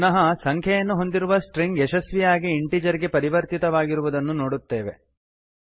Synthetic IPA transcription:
nɐɦɐsɐŋkʰjɐjɐnːuɦo̞nd̪iɾuʋɐsʈɾiŋɡɛʃɐsʋijaːɡiːɳʈid͡ʒɐɾiɡe̞pɐɾiʋɐɾt̪it̪ɐʋaːɡiɾuʋud̪ɐnːunoːɽut̪ːeːʋe̞̰

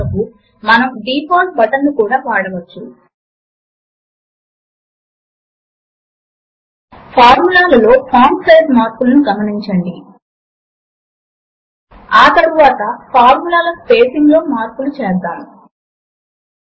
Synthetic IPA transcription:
ɐku | mɐnɐmɖiːpʰaːlsbɐʈɐnːukuːɽaːʋaːɽɐʋɐt͡ʃːu | pʰaːɾmulaːlɐlo̞ːpʰaːmsejzmaːɾpulɐnuɡɐmɐniɲt͡ʃɐɳɖi | aːt̪ɐɾuʋaːt̪ɐpʰaːɾmulaːlɐspe̞ːsiŋɡlo̞ːmaːɾpulut͡ʃɛːd̪aːnu

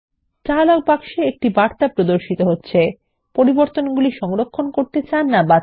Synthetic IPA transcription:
t͡ɕalok̚bakʃeek̚ʈibaɾt̪apɾod̪oɾʃit̪oɦotːɕʰe | poɾiboɾt̪onɡuliʃɔŋɾokʰːonkoɾt̪et͡ɕanːaba

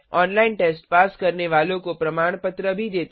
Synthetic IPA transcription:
ɔnlainʈesʈpaskəɾneʋalokopɾəmaɳ̃pət̪ɾəbʱid̪et̪

